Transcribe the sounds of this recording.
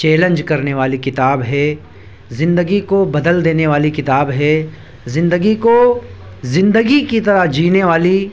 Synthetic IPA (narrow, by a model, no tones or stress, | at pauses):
t͡ʃeːlə̃nd͡ʒkɐɾneʋaːlikɪt̪aːbɦɛ | zɪ̃nd̪əɡikobɐd̪əld̪eːneʋaːlikɪt̪aːbɦɛː | zɪ̃nd̪əɡiko | zɪ̃nd̪əɡikit̪ɐɾəd͡ʒiːneʋaːli